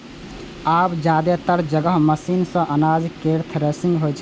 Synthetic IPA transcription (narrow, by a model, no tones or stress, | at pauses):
aːpd͡ʒjaːd̪et̪əɾd͡ʒəɡəɦməsiːnsə̃ʔənaːd͡ʒkeːɾt̪ʰɾeːsɪ̃ŋɡɦot͡ʃʰ